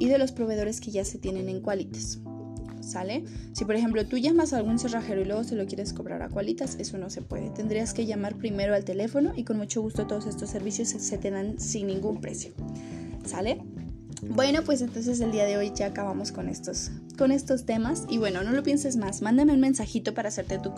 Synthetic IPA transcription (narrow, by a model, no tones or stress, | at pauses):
iðe̞lo̞spɾo̞βe̞ð̞o̞ɾe̞ske̞ʝase̞t̪je̞ne̞ne̞ŋkwalit̪ḁsː | ale̞sipoɾexe̞mplo̞t̪uʝamasaːlɣunse̞raxe̞ɾoilwe̞ɣo̞se̞lo̞kje̞ɾesko̞βɾa̰ɾa̰kwalit̪ase̞so̞no̞se̞pwe̞̰ðe̞̰t̪end̪ɾiaske̞ʝamaɾpɾime̞ɾo̞alt̪e̞le̞fo̞no̞ʔiko̞nmut͡ʃo̞ɣust̪o̞t̪o̞ð̞o̞se̞st̪o̞sːe̞ɾβisjo̞sse̞t̪e̞ðansinːĩŋɡumpɾe̞̰sjo̞̥sale̞ | bwe̞no̞pwe̞s̬e̞nt̪o̞ns̬e̞s̬e̞ld̪iaðe̞o̞jʝaːkaβ̞amo̞sko̞ne̞̰st̪os | ko̞ne̞st̪o̞st̪e̞masiβwe̞no̞no̞lo̞pje̞nsezmasmãnd̪ameunmẽ̞nsaxit̪o̞paɾaːse̞ɾt̪et̪u